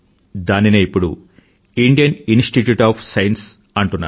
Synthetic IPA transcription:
d̪aːnineipːuɽu | iɳɖijɐninsʈiʈjuːʈaːpʰsɐjɐns | ɐɳʈunːa̰ː

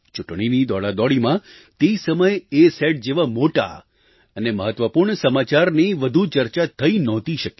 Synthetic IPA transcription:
t͡ʃʊʈɳinid̪ɔɭad̪ɔɽimã | t̪eisəməjeeseʈ̚d͡ʒeʋamoʈa̰ | əneməɦət̪ʋəpuɾɳəsəmat͡ʃaɾniʋəd̪ʱut͡ʃəɾt͡ʃat̪ʰəinɔ̃t̪iʃəke

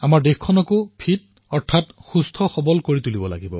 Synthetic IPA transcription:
amaɹdexkʰɔnɔkʊpʰit̚ | ɔɹtʰatxustʰɔxɔbɔlkoɹitulibɔla̰ɡibɔ̰

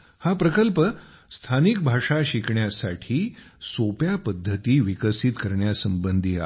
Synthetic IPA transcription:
hapɾəkəlpə | st̪ʰanik̚bʱaʂaɕikɳjasaʈʰiːsopjapəd̪ʱːət̪iːʋikəsit̪kəɾɳjasəmbənd̪ʱiːa̰

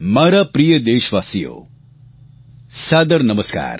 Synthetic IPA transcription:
mɐːɾapɾijəd̪eːʃʋaːsijo̰ː | saːd̪ɐɾnɐməska̰ːɾ

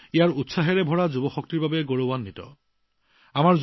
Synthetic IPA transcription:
ijaɹutsaɦɛɹɛbʱɔɹazubɔxɔk̚tiɹbabɛɡoɹobanːitɔ̰ | amaɹz

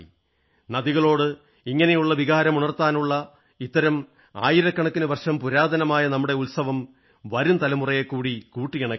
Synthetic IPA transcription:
nɐðiɣɐɭo̞ːɽɨ | iŋːɐne̞juɭːɐʋiɣaːɾɐmuɳɐrt̪aːnuɭːɐ | it̪ːɐɾɐm | a̰ːjiɾɐkːɐɳɐkːinɨʋɐrʂɐmpuɾaːd̪ʱɐnɐmaːjɐnɐmːuɽe̞ulsɐʋɐm | ʋɐɾumt̪ɐlɐmurɐjekːuːɽikuːʈːikɐɳɐ

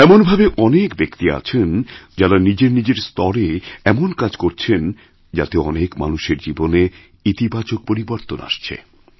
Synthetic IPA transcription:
ɛmonbʱabeʔɔnekbekt̪ia̰t͡ɕʰend͡ʑaɾanid͡ʑeɾnid͡ʑeɾst̪ɔɾeɛmonkad͡ʑkoɾt͡ɕʰen | d͡ʑa̰t̪eɔ̰nekma̰nuʃeɾd͡ʑibone | it̪ibat͡ɕok̚poɾiboɾt̪ona̰ʃt͡ɕʰḛ

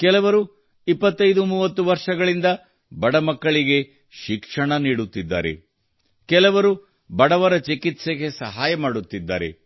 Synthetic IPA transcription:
kɛlɐʋɐɾu | ipːɐt̪ːɐjd̪umuːʋɐt̪ːuʋɐɾʂɐɡɐɭind̪ɐ | bɐɽɐmɐkːɐɭiɡe̞ | ʃikʂɐɳɐniːɽut̪ːid̪ːa̰ːɾḛ | kɛlɐʋɐɾu | bɐɽɐʋɐɾɐt͡ʃikit̪seɡe̞sɐ̰ɦaːjɐmaːɽut̪ːid̪ːa̰ːɾe̞̰

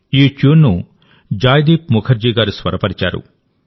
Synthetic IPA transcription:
eːt͡ʃoːnːu | d͡ʒaːjd̪iːpmukʰɐɾd͡ʒiːɡaːɾusʋɐɾɐpɐɾit͡ʃa̰ːɾṵ

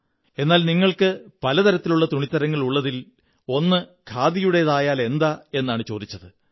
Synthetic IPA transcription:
e̞nːaːlniŋːɐɭkɨpɐlɐt̪ɐɾɐt̪ːiluɭːɐt̪uɳit̪ːɐɾɐŋːɐɭuɭːɐðil | o̞nːɨkʰaːd̪ijuɽe̞ðaːjaːle̞nd̪ae̞nːaːɳɨt͡ɕo̞ːd̪it͡ɕːɐðɨ

